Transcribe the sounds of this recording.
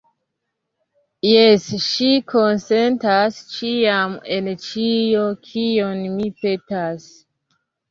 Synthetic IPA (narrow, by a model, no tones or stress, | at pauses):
jesʃikʰonsentast͡ʃiament͡ʃiokʰionmipetas